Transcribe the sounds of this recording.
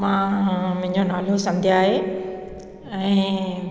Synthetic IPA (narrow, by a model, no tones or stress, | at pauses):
mãmʊ̃ɦɪ̃ɲd͡ʑonaːlosɐ̃nd̪ʱjaːɦe | ɛ̃ː